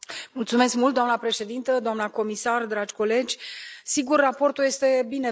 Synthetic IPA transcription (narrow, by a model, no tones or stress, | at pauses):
mult̪sume̞skmult̪d̪oamnəpɾe̞ʃe̞d̪int̪əd̪oamnəko̞misard̪ɾad͡ʒʲko̞le̞d͡ʒʲsiɡurːapo̞rt̪ulje̞st̪e̞bine